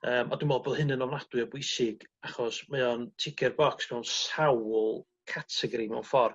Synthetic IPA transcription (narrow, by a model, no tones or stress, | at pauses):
əːmɔdumɛlˠboðˠhɨnənɔvnad̥wɨɔbwɪsɪɡ̥aχɔsmɛɔntʰɪkʰɛrbɔksmɛwnsawlˠ | kʰatʰɛɡɾimɛwnfɔr